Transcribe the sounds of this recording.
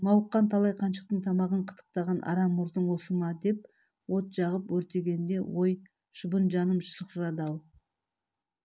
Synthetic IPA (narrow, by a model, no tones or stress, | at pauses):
mɑwqːɑnt̪ʰɑlˠɑjqʰɑnʃə̥q̚t̪əɴt̪ʰɑmɑʁəɴqʰə̥t̪ʰə̥q̚t̪ɑʁɑnʔɑ̰ɾɑmːʊɾd̪əɴwosəmɑd̪e̞p̚ | wo̞t̪ʒ̥ɑʁəpwɵɾt̪e̞ɡʲe̞nd̪e̞wo̞j | ʃʊbənʒɑnəmʃəɾəqɾɑd̪ɑw̪ˠ